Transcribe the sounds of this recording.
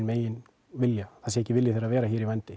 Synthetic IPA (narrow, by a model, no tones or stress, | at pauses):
nmeːjɪn | vɪljaθɛsɛhcːɪvɪljɪθejɾaðvɛːɾaçiːɾivajnt̪ɪ